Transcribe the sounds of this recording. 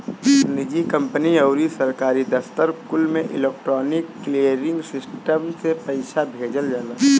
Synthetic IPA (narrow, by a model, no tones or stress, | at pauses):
nɪd͡ʒikə̃mpəniəʊɾisəɾkaːɾid̪əft̪əɾkʊlmẽʔɪ̰leːk̚ʈɾɔːnɪkːliəɾɪ̃ŋɡsɪsʈəmsepəɪsabʱeːd͡ʒəld͡ʒaːlə